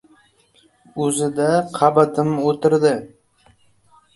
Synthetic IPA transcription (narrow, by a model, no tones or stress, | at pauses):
ɵzɪd̪aqʰɑbat̪ʰɪmot̪ʰɪɾd̪ɪ